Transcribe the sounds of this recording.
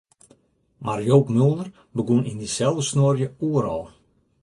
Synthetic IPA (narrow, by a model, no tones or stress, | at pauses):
marjoːpmøəlˠdər | bəɡunindisɛlˠdəsnorjəuəɾɔ̰lˠ